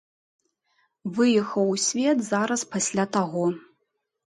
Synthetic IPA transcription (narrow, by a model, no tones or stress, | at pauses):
vɨjɛxɐwsʲvʲɛt̪zaɾɐspasʲlʲat̪aɣɔ